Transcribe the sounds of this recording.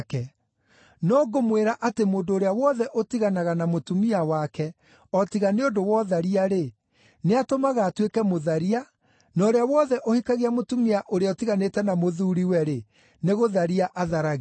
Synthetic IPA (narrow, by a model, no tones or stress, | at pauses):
kɛ | nɔɡomweɾaʔatemoːndoːɾeawɔðɛʔotiɣanaɣanamotumiawakɛ | ɔtiɣaneondowɔðaɾiaɾe | neatomaɣaːtwekɛmoðaɾia | nɔoɾeawɔðɛʔohikaɣeamotumiaʔoɾeaɔotiɣanetɛnamoðuːɾiwɛɾe | neɣoðaɾiaʔaðaɾaɣ